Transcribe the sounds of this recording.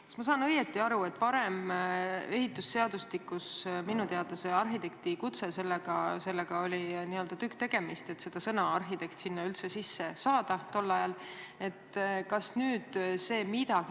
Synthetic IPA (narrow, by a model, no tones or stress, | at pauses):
kkɑ̥smɑsɑːnɤjet̪ːˑiɑɾue̞t̪ːˑvɑɾe̞m | e̞ɦit̪ːˑusːe̞ɑd̪̥ust̪ikːˑusminut̪e̞ɑd̪ɑse̞ɑrɦit̪e̞k̚t̪ikut̪se̞se̞lːeɡ̥ɑse̞lːe̞ɡ̥ɑo̞lʲiniø̞ld̪̥ɑt̪ykːt̪e̞ɡ̥e̞mist̪e̞t̪se̞d̪̥ɑsɤnɑɑrɦit̪e̞kt̪sinːɑylt̪se̞sisːe̞sɑːd̪̥ɑt̪o̞lːɑjɑle̞t̪ːkɑsnyːd̪̥se̞ːmid̪ɑɡ